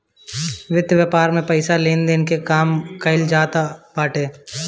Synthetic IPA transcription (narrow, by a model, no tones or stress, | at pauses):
ʋɪd̪jʋjəpaːɾmẽpəɪsaleːnd̪eːnkekaːmkəɪld͡ʒaːt̪apaːʈeː